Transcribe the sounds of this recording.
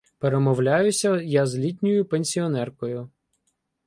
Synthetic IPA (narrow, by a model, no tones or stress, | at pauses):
peɾemɔwlʲajʊsʲɐjazlʲitʲnʲʊjʊpenʲsʲiɔnɛrkɔjʊ